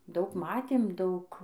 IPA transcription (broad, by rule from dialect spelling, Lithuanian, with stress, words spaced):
ˈdɐʊk ˈmɑːtʲeːm ˈdɐʊk